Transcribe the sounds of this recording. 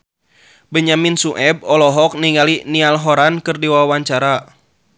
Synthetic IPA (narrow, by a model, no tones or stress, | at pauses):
bəɲaminsuʔɛb̚ɔlɔɦɔk̚niŋalinialɦɔɾankɨrdiwawawaɲt͡ʃaɾa